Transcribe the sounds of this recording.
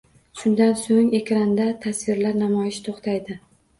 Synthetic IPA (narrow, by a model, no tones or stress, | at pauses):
ʃʊnd̪ansoŋe̞kʲɾand̪at̪ʰasvɪɾlaɾnamɒjɪʃt̪ʰoχt̪ʰajd̪ɪ